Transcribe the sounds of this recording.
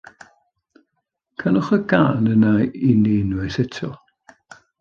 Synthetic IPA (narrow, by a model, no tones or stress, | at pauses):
kʰanʊχəɡaːnənaineːnwɪsɛtʰɔ̰